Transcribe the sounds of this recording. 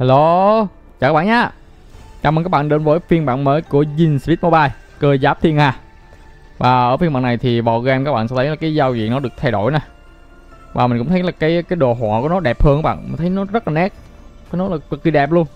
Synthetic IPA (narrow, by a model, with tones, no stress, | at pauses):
ha˧lo˨ | t͡ɕaː˨k̚ːɓaː˧˨ɲaː˧˦ | t͡ɕa̰ː˧˨˩m˨˩kaː˦˥ɓa̰ː˧˨nɗe˨˦nvəː˨˦jfi˧ənɓa̰ː˧˨nməː˨˦jku˧˩əzi˧˩nsvi˦˥t̪̚mo˧ɓaː˧j | kəː˧jzaː˦˥p̚t̪ʰi˧ənhaː˧˩ | vaː˨˩ʔəː˧˩fi˧nmɓ̰aː˧˨nːa˨˩jt̪ʰi˨˩va˨˩ɣɛ˧mkaː˧˦˥ɓa̰ː˧˨sɛ˧˥t̪ʰjlaː˨˩kaː˨˦jzaː˧wzḭ˧˨ənɔ˨˦ɗɨ˨˩ək̚t̪ʰa˧jɗo˧˩jnaː˨˩ | vaː˨˩mi˨˩ŋ̟kʊ̰˧˥ŋ͡mt̪ʰjlaː˨˩kaː˨˦jkaː˨˦jɗo˨˩ɦwaː˨˩ku˧˩ənɔ˨˦ɗɛ˨˩p̚həː˧ŋkːaː˨˦˥ɓa̰ː˧˨nmï̟˨˩t̪ʰə˨˦jnɔ˨˦zə˦˥t̚laː˨˩nɛ˦˥k̚ | faː˨˦nɔ˨˦laː˨˩kə˨˩k̚ːi˨˧˩ɗɛ˨˩p̚lu˧ən